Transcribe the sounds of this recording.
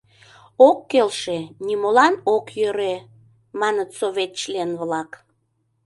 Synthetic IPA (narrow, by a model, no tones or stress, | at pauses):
okːelʃenʲimolɑnokjøɾe | mɑnət̪soβʲet̪t͡ɕlenβlɑk